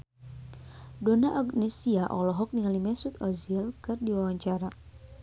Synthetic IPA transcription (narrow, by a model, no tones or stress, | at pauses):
dɔnaʔaɡnɛsiaʔɔlɔɦɔk̚niŋalimɛsut̪ɔziɛlkɨrdiwawaɲt͡ʃaɾa